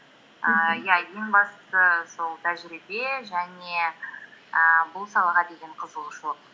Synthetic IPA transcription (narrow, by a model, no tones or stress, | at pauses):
əjɑje̞ŋbɑst̪ə̥səso̞lˠt̪ʰæʒɪɾibe̞ʒæne̞ | əbʊlˠsɑlˠɑʁɑd̪e̞ɡʲe̞ɴqʰəzəlˠəʃq